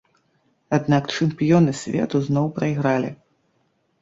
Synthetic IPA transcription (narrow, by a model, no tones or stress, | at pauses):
ad̪nakt͡ʂɨmpʲijɔnɨsʲvʲɛ̰t̪uznɔwpɾɐjɣɾalʲi